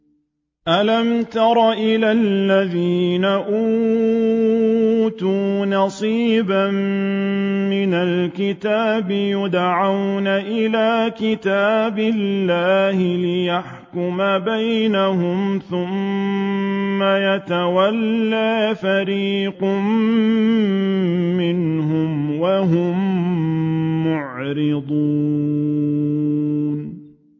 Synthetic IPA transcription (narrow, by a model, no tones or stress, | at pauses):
ʔalamt̪ɑɾˤɑʔɪlalːaðiːnaʔuː | t̪uːnɑsˤiːbam | mɪnalkɪt̪aːbɪjʊd̪ʕawnaʔɪlaːkɪt̪aːbɪlːaːhɪlɪjaħ | kʊmabajnaɦʊmθʊm | ajat̪awalːaːfaɾiːqʊm | ɪnhʊmwaɦʊm | ʊʕɾɪd̪ˤu | n